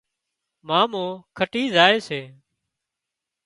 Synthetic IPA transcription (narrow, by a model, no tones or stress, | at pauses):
mãːmõːkʰəʈiːzaːeːseː